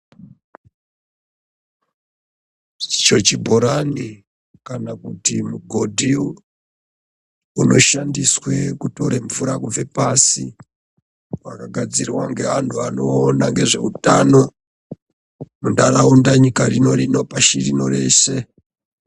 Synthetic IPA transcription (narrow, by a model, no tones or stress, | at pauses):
i̥t͡ʃo̞t͡ʃibʱoɾani | kanakutimuɡʱo̞dʱiu | uno̞ʃandiswe̞kuto̞ɾeɱfuɾakuve̞pasi | wakaɡʱad͡zirwaŋɡe̞ʋantʰuano̞ːnaŋɡe̞ʐe̞̰utano̞ | mundaraundaɲikarino̞rino̞paʃirino̞re̞se̞